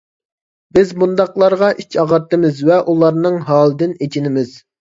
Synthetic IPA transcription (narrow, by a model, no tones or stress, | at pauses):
bɪzbund̪ɑqlˠɑɾʁɑʔit͡ʃʰɑʁɑɾt̪ːɨmɪzvɛʔulˠɑɾnɨŋɦɑːlˠɨd̪ɪnet͡ʃinɪmɪz̥